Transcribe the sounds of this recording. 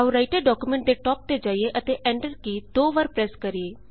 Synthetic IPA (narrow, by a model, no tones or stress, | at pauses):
auɾaːɪʈəɖɔːkumɛ̃ːɳʈ̚d̪eːʈɔːp̚t̪eːd͡ʒaːieːʔət̪eːʔɛːɳɖəɾkiːd̪oːʋəːɾpɾɛːskəɾieː